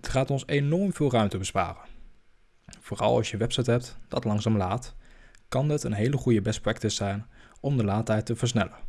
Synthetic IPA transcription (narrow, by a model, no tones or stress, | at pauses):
ətχaːtɔnsenɔɹmv̥ɪːlˠrœɥmtəbəspa̰ːrə | v̥ʊːrɑ̰lˠɑ̰lˠsjəʋɛpsɛjtɦɛp̚td̥ɑtlɑŋzaːmlaːtkɑnɦətənɦejləχujəbɛsprɛk̚tɪsːɛjnɔmdəlaːtɦɛjtːəvəɹsnɛ̰lən